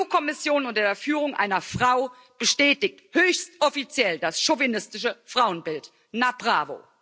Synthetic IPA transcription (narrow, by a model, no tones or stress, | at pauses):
uːkʰɔmɪsjoːnʊntɐdːɐfyːʁ̞ʊŋʔa̰ɪnɐfʁ̥aʊ | b̥əʃtɛːtɪk̚thøːçstɔfit͡sjɛldasʃovinɪstɪʃəfʁ̥aʊənbɪlt | napʁaːvo̰